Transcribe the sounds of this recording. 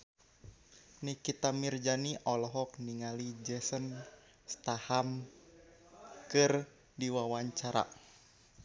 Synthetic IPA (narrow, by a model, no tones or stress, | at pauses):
nikit̪amird͡ʒaniʔɔlɔɦɔk̚niŋalid͡ʒɛsən | st̪aham | kɨr | diwawaɲt͡ʃaɾa̰